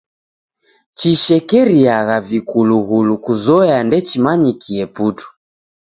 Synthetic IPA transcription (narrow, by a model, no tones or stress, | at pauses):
t͡ʃiʃɛkɛɾiaɣavikuluɣulukuzɔjandɛt͡ʃimaɲikʰiɛputu̥